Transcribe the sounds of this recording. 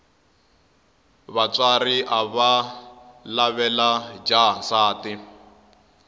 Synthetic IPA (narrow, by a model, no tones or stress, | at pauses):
βat͡saɾiʔaβa | laβɛlad͡ʒasaːti